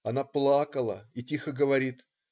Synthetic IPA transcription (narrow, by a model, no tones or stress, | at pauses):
ɐnaplˠakəlˠəitʲixəɡəvɐɾʲit̪